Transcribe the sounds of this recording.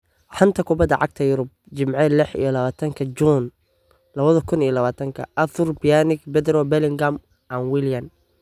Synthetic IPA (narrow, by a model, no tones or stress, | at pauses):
ħɐnt̪ʰɐkʰʊbɐd̪ɐʕɑ̰ɡ̚t̪ʰɐjʊɾʊb̚t͡ʃɪmʕɛlɪħḭjɔlɐβaːt̪ʰɐŋkʰɐd͡ʒuːn | lɐβɐðɐkʰʊnijɔlɐβaːt̪ʰɐŋkʰɐ̰ʔɐθʊrbɪjanɪkbɛd̪ɾɔbɛlɪŋɡam | ʔanwɪljɐn